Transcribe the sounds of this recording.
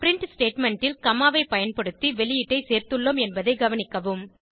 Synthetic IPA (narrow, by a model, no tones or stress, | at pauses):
pɪɾɪɳʈsʈeːʈmɛɳʈɪlkɐmaːʋɐɪpɐjɐnpɐɽɯt̪ːiʋɛɭɪjɪʈːɐɪseːɾt̪ɯɭːomɛnbɐðɐɪɡɐʋɐnɪkːɐʋɯm